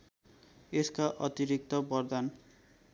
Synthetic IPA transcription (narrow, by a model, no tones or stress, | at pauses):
eskaʔʌt̪iɾik̚t̪ɔbʌrd̪an